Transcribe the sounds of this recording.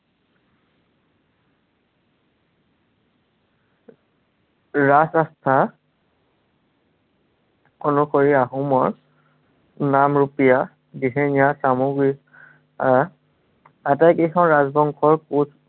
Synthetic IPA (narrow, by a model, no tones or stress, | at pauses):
ɹasastʰa | ɔnʊxoɹiaɦumɔɹ | namɹupija | biɦenijasamuɡɹi | aa | atajkexɔ̃nɹazbɔŋkʰɔɹkus